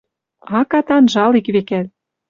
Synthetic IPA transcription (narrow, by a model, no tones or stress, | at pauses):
ɑkɑt̪ɑnʒɑlikβekæl